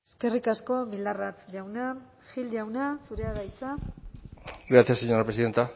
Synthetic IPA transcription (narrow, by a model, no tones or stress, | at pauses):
eske̞rikasko̞mild̪arat͡sʎawna | xild͡ʑawnasuɾeaɣajt͡sa | ɡɾat͡s̪iaseɲoɾapɾesiðent̪a